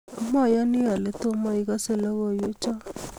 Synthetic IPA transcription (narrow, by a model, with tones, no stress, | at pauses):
o˨ma˦˨ja˦ni˦a˨le˨to˦ma˦i˦ɣa˦se˦˨lɔ˦ɣo˨jo˦t͡ʃɔ˦